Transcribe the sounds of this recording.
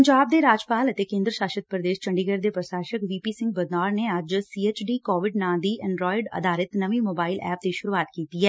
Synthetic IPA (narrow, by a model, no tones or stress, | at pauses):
əɲd͡ʒaːb̚d̪eːɾaːd͡ʒpaːlət̪eːkẽːnd̪ɾəʃaːʃət̪̚pɾəd̪eːʃt͡ʃəɳɖiːɡəɾd̪eːpɾəsaːʃəkʋiːpiːsɪ̃ŋɡ̚bəd̪aːɾneːəd͡ʒsiːeːt͡ʃɖiːkɔːʋɪɖnãːd̪iːʔɛ̃ɳɖɾɔːɪɖə̰d̪aːɾɪt̪nəʋiːmoːbaːɪlɛ̰ːp̚t̪eːʃʊɾuaːt̪kiːt̪iːɦɛː